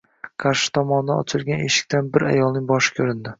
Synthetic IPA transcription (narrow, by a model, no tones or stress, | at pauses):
qʰaɾʃɪ̥t̪ʰɒmɒnɪd̪anɒ̰t͡ʃʰɪlˠɡʲanḛʃɪ̥kʲt̪ʰanbɪɾa̰jɒlˠnɪŋbɒʃɪ̥kʲʰɵɾɪnd̪ɪ